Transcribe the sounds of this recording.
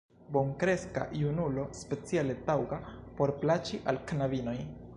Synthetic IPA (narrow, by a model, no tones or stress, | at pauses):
bo̞ŋkɾe̞ska̰junulo̞spe̞t͡siale̞tawɡapo̞ɾplat͡ʃiʔalknavino̞j